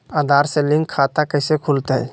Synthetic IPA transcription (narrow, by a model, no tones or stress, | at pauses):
ad̪ʱaɾselĩŋkʰːat̪akəɪsekʰult̪ɦɛ